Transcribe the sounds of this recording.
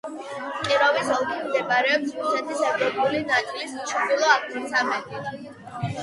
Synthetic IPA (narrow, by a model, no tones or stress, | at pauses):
qʼiɾɔvisɔlˠɡimd̪ɛbaɾɛɔpsɾusɛt̪ʰisɛvɾɔpʼulinat̪ʼilist͡ʃʰd̪ulˠɔakʰnisamɛt̪it̪ʰ